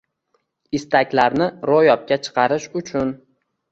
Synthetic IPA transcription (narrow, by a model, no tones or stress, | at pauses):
ɪst̪ʰakʲlaɾnɪɾojɒp̚kʲat͡ʃʰɨ̥qʰɑɾɪʃʊt͡ʃʰʊn